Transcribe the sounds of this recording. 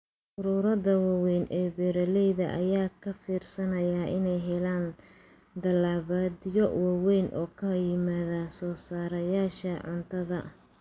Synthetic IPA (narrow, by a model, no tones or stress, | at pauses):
ʔʊɾuːɾɐðɐwɑwɛjnʔɛːbɛːɾɐlɛjðɐʔɐjaːkʰɐfiːrsɐnɐjaʔɪnɛjɦɛlaːn | d̪ɐlaːβɐd̪jɔwɑwɛjnʔɔ̰ːkʰɐjɪmaːðɐsɔːsaːɾɐjaːʃɐʕʊnt̪ʰɐðɐ̰